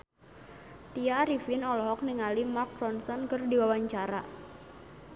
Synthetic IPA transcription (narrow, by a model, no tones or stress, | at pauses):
t̪iaɾifɪnɔlɔɦɔk̚niŋalimak̚ɾɔnsɔnkərdiwawaɲt͡ʃaɾa̰